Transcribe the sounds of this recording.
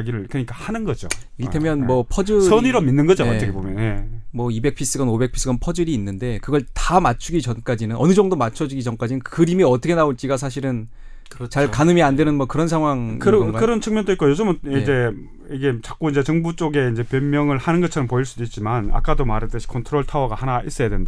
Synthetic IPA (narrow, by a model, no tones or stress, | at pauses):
ɡiɾɯɭkɯɲik͈ahanɯnɡʌd͡ʑo̰ | iɡitʰemjʌnmwʌpʰʌd͡ʑɯsʰʌniɾʌmːinːɯnɡʌd͡ʑoʌt͡ɕʌkebomjʌnemwʌibe̞k̚pʰis͈ɯɡʌnobe̞k̚pʰi̥s͈ɯɡʌnpʰʌd͡ʑɯɾiːnːɯnde̞kɯɡʌɭtamat͡ɕʰuɡit͡ɕʌnk͈ad͡ʑinɯnʔʌnɯd͡ʑʌŋdomat͡ɕʰʌd͡ʑuɡit͡ɕʌmk͈ad͡ʑinɯnkɯɾimiʌtʰʌkʰe̞naoɭt͡ɕ͈iɡas̬ʰaɕ̬ʰiɾɯn | kt͡ɕaɭkanɯmiandwe̞nɯnmwʌkɯɾʌnsʰaŋɦwaŋɯɾkakɯɾʌnt͡ɕʰɯŋmjʌndoit̚k͈ojod͡ʑʌmɯnid͡ʑe̞ | iɡe̞t͡ɕak͈oind͡ʑe̞t͡ɕʌŋbut͡ɕ͈oɡe̞ind͡ʑe̞pjʌmːjʌŋɯɭhanɯnɡʌt͡ɕʰʌɾʌmpoiɭs͈udoit̚t͡ɕ͈imana̰k͈adomaɾɯt͈ɯɕʰi̥kʰontʰɯɾoɭtʰawʌɡahanais͈ʌjadwenda